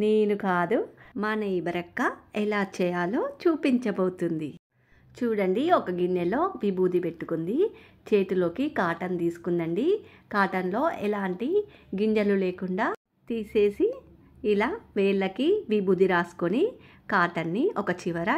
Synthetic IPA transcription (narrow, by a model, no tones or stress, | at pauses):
neːnukaːd̪umɐnɐibɐɾɐkːɐɛlaːt͡ʃɛjaːloːt͡ʃuːpiɲt͡ʃɐboːt̪und̪i | t͡ʃuːɽɐɳɖiɔkɐɡiɲd͡ʒɐlo̞ːʋibuːd̪ipe̞ʈːukund̪it͡ʃe̞ːʈilo̞ːkikaːʈɐnt̪iːsu̥kund̪ɐɳɖikaːʈɐnlo̞ːʔɛlaːɳʈiɡiɲd͡ʒɐluleːkuɳɖaː | t̪iːse̞ːsiː | laːʋɛːɭːɐkiʋibuːd̪iɾaːsu̥koni | kaːʈɐnːiʔɔkɐt͡ʃiʋɐɾɐ